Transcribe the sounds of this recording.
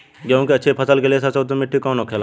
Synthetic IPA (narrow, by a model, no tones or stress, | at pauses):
kjõːkiɐtːʃʰepʰəsəlkeliesɐsot̪omɪʈʰːikɔ̃ːnokʰeːla